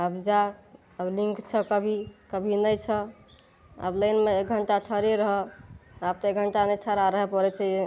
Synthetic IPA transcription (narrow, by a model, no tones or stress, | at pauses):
əbd͡ʒa | əblĩŋkt͡ʃʰəkəbʱikəbʱinəjt͡ʃʰə | ə̰bləjnmeek̚ɡʱəɳʈaʈʰəɾiɾəɦɛab̚t̪ɔek̚ɡʱəɳʈanəjʈʰəɾaɾəɦɛpəɾɛt͡ʃʰɛ